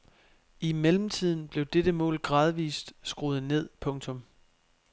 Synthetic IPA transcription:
imelm̩t͡sʰið̰ˠn̩b̥le̝ʊd̥eɾ̥əmɔ̰̽ːlɡ̥ʁɑ̈ːð̞ˠʋḭːsd̥sɡ̥ʁuð̩ˠne̝ð̞̰ˠpʰɔ̽ŋt͡sʰɔ̽m

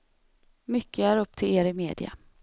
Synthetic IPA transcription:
mʏkʰːəæːɾɵp̚ːt̪ʰɪleːɾɪmḛːd̪ɪ̰a̰

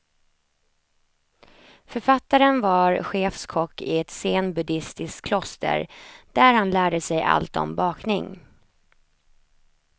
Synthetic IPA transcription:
fœɾfat̪ːaɾənvaɾɧeːfskʰɔkːɪɛt̪seːnbɵd̪ɪst̪ɪskkʰːlɔst̪ʰə̰ɾd̪̥æɾhanlæːɖəsɛja̰lt̪ɔ̰mbɑːknɪŋ

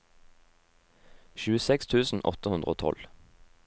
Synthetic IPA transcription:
ʃʉːəsɛkst̪ʰʉːsn̩ʔɔ̰t̪əhʉnd̪ʁəo̰ːt̪ʰɔ̰l

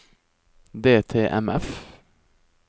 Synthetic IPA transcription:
d̪eːt̪ʰeːʔɛ̰mɛf

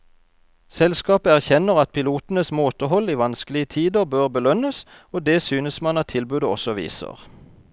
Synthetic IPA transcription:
sɛlskɑːpəæʁçɛnəʁɑt̪̚pʰɪluːt̪n̩əsmoːt̪əhɔliːʋɑnsklɪət̪ʰiːd̪əʁbøːʁbəlœnəs | oːd̪eːsyːnəsmɑnɑt̪ʰːɪlbʉːd̪əɔsɔʋḭːsə̰ʁ

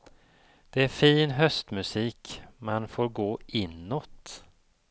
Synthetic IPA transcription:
d̪̥ɛæɾfiːnɦœst̪mɵsiːkmanfoːɾɡoːʔɪnːot̪

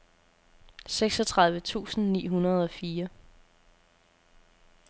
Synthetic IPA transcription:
seɡ̥sɒ̽t͡sʰʁɑ̈ðˠʋət͡sʰṵːsn̩nḭːɦunɐð̞ˠɒ̽fiːɐ

